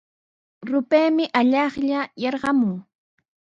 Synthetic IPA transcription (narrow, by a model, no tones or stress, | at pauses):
ɾʊpeːmɪʔaʎɑχʎajɑɾɢɑmʊŋ